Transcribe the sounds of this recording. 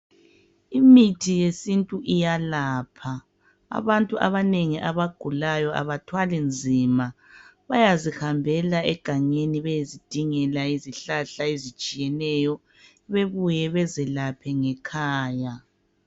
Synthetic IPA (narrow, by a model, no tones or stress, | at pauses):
imitʰijesintʼuʔijalaːpʰa̰ː | βantʼuʔa̰βaneŋiʔaβaɡ̥ʱulajɔʔa̰βatʰwalind͡zʱima | βajazihambʱɛlaɛɡ̥ʱaɲeniβɛjezid̥ʱiŋɛlaiziɬaɬaizit͡ʃʼijɛnɛjɔ | βeβujɛβɛzɛlapʰɛŋɛkʰaːja